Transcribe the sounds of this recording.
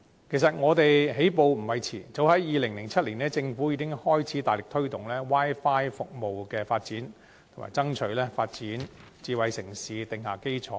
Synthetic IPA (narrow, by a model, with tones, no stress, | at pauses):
kʰe˨˩sɐ˨t̚ŋɔː˨˧t̪e˨jɦe˨˥jp̬o˨˧wm̩˨˩wɐ˨˧jt͡sʰḭː˨˩t͡so˨˥whɐ˨˥jjiː˨˧lɪ˨˩ŋlɪ˨˩ŋt͡sʰɐ˥t̚liː˨˩nɛː˥t͡sɪ˧ŋfu˨˥jiː˨˧kɪ˥ŋhɔː˥jt͡sʰiː˨˥t̪aː˨jlɪ˨k̚t̪ʰɵ˥ɥt̪ʊ˨ŋlɛː˥waː˥jfaː˥jfʊ˨k̚mo˨wkɛː˧faː˧t̚t͡siː˨˥n | t̪ʰma̰ː˨˩jt͡sɐ˥ŋt͡ʃʰɵ˨˥ɥlɛː˥faː˧t̚t͡siː˨˥n | t͡siː˨˧wɐ˨jsɪ˨˩ŋsiː˨˧t̪ɪ˨ŋhaː˨˩ke˥jt͡sʰɔː˨˦